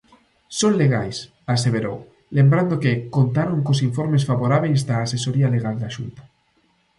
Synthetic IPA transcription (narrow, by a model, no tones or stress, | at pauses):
sonle̞ɣ̞ajs | aseβ̞eɾo̰ | lẽmbɾand̪okekont̪aɾoŋkos̬iɱfo̞ɾme̞sfaβoɾaβejzd̪aːsesoɾialeɣ̞ald̪aʃṵnt̪ḁ